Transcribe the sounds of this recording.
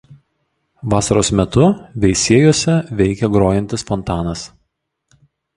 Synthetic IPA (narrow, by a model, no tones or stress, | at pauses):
ʋɑːsɐɾoːsmʲɛt̪ʊʋʲɛɪsʲiɛjoɔsʲɛʋʲɛɪkʲɛɡɾoːjɛnʲt̪ʲɪsfɔnt̪ɑːnɐs